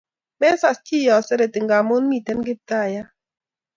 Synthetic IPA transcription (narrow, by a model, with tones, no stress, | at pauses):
mɛ˦sa˨st͡ʃi˦˨jɔ˨sɛ˦ɾɛ˨tɪ˨ŋɡa˨mo˦n˦mi˦˨tɛ˦nɡɪ˦p̚ta˦˨ja˦